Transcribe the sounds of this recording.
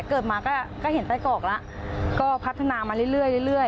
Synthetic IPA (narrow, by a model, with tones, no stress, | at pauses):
kɤː˨˩t̪̚maː˧kɔː˥˩kɔː˥˩he˩˦npa˧jkɔː˨˩k̚la˦˥ʔkɔː˥˩pʰa˦˥t̪ʰːa˧naː˧maː˧ɾɯ˥˩˨ɾɯ˥˩əjlɯ˥˩lɯ˥˩əj